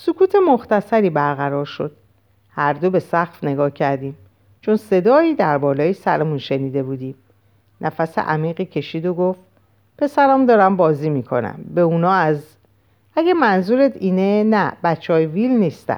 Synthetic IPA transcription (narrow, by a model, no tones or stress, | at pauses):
sokʰuːt̪ʰemoxt̪æsæɾiːbæɾɣæɾɒːɾʃo̞d̪̥̚ | hæɾd̪o̞be̞sæxfne̞ɡɒːhcʰæɾd̪iːm | t͡ʃʰonse̞d̪ɒːiːd̪æɾbɒːlɒːjesæ̰ɾemunʃe̞niːd̪e̞buːd̪iːm | nʔæfæsḛʔæmiːɣiːcʰe̞ʃiːd̪oɡoft̪ | pʰe̞sæɾæmd̪ɒːɾæmbɒːziːmiːkʰo̞̰næ̰mbe̞uːnɒːæz | æɡemænzuːɾet̪ʰiːnenæbæt͡ʃʰːeɒːjevilniːst̪æ̰n